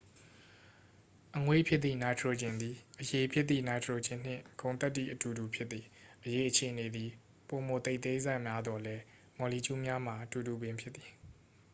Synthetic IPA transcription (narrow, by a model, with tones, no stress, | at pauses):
ʔəŋwe˦˨pʰjɪ˦ʔ̪θḭ˦˨na˨ɪtʰɹo˨d͡ʑɪ̃˨nd̪i˨ʔəje˨pʰjɪ˦t̪t̪ːḭ˦˨na˨ɪtʰɹo˨d͡ʑɪ̃˦˨n̥ɪ̰̃˦˨kõ˨nt̪ɛ˦t̬ːḭ˦˨ʔətu˨du˨pʰjɪ˦t̪t̪ːi˨ʔəje˨ʔət͡ɕʰe˨ʔəne˨d̪i˨ | po˨mo˨t̪e˦ʔt̪ẽ˦za˦˨ʔmja˦d̪wɔ˨lɛ˦ | mɔ˨li˨t͡ɕu˦mja˦m̥a˨ʔətu˨du˨bɪ̃˨mpʰjɪ˦t̪t̪ːi̥˨